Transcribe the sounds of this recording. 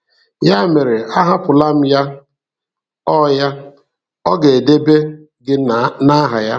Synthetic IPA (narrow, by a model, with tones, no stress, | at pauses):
ja˦me˨ɾe˨a˦ɦa˦pʊ˨la˦m̩˦ja˦ | ɔ˦ja˦ | ɔ˦ɡe˨e˨de˦be˦ | ɡɪ˦na˦ɦa˨ja˦